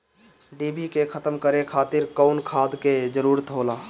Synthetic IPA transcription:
ɖibʱikekʰət̪əmkəɾekʰaːt̪ɪɾkəʊnkʰad̪ked͡ʒəɾuːɾət̪ɦoːla

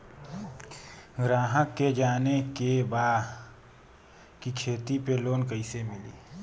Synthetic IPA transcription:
ɡɾaːɦəkːed͡ʒaːnekebaːd | kikʰeːt̪ipeloːnkəɪsemɪliː

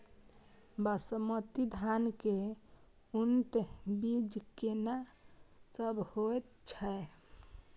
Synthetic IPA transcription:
basəmət̪id̪ʱanke | unt̪bid͡ʒkena | səbhoet̪t͡ʃʰɛe

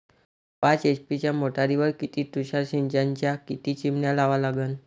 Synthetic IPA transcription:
pãt͡set͡spit͡ɕjamoʈaɾiʋəɾkit̪ʰiːt̪uɕaɾɕiɲd͡ʑãɲt͡ɕjakit̪iːt͡ɕimɳjalaʋalaɡən

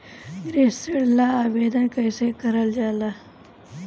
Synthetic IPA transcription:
ɡɾeːseɽlaaːʋeːd̪ənkɐjsekɐɾəld͡ʒaːlaː

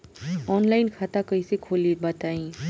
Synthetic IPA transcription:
ɔːnlaːɪnkʰaːt̪akɐisekʰoːlibɐt̪aːĩː

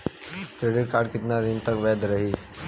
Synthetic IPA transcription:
kɾeːɖɪʈ̚kaːɾɖkɪt̪nad̪ɪnt̪əkʋɛːd̪ɾɐɦiː

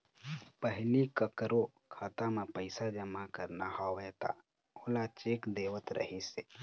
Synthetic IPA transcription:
pəɦɪlikəkəɾo | kʰaːt̪amẽpəɪsad͡ʒəmakəɾnahaɦɛt̪a̰ | oːlat͡ʃeːkd̪eːʋət̪ɾʔə̰ɦiseː

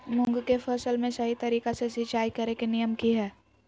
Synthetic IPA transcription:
mʊ̃ŋɡkepʰəsəlmẽsɐɦit̪ɐɾiːkasesit͡ʃaːikɐɾekenijəmkiɦɛː

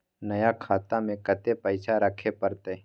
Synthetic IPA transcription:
nɐjakʰaːt̪amẽkət̪epəɪt͡ʃʰaɾəkʰepəɾt̪e

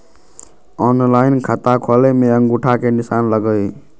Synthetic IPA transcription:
ɔnlaːinkʰat̪akʰɔlemẽəŋɡuʈʰakenɪsaːnləɡəi

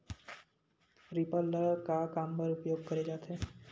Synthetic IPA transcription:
ɾipəlːəɭkakampəɾupjoɡ̚kəɾed͡ʒat̪ʰe

